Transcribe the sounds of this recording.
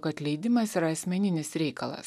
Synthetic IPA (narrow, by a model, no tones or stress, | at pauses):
kɐt̪ʲlʲɛɪd̪ʲɪmɐsiɾɐːsʲmʲɛnʲɪnʲɪsɾʲɛɪkɐlˠɐ̰s